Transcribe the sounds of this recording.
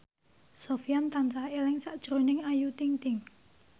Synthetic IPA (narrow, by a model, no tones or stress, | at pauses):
sofijant̪ansaelɪŋsaʔd̥ʒ̥ɾo̤nɪŋajut̪iŋt̪ɪŋ